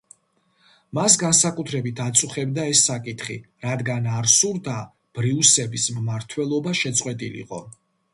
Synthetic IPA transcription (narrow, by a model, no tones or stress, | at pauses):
mas̬ɡansakʼut̪ʰɾɛbit̪ʰat̪sʼuχɛbd̪aɛsːakʼit̪ʰχḭ | ɾad̪ɡanaɾsuɾd̪a | b̥ɾiusɛbismmaɾt̪ʰwɛlˠɔbaʃɛt̪sʼqʼwɛt̪ʼilḭqʼɔ